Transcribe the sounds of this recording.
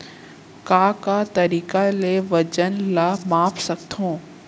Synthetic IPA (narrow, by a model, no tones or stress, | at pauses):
kaːkat̪ɐɾiːkaleʋɐd͡ʒənlamaːpsɐk̚t̪ʰõː